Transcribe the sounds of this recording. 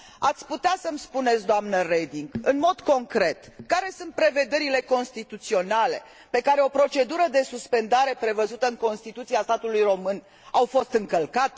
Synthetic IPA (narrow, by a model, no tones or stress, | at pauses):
at̪sʲput̪easəmspunet̪s̬d̪oamnəred̪iŋɡɨnmo̞d̪ko̞ŋkɾe̞t̪kaɾe̞sunt̪̚pɾe̞ve̞d̪e̞ɾile̞ko̞nst̪it̪ut̪sio̞nale̞̰ | pe̞kaɾe̞o̞pɾo̞t͡ʃe̞d̪uɾəd̪e̞suspe̞nd̪aɾe̞pɾe̞vəzut̪əɨŋko̞nst̪it̪ut̪siast̪at̪ulujro̞mɨn | awfo̞st̪ɨŋkəlkat̪e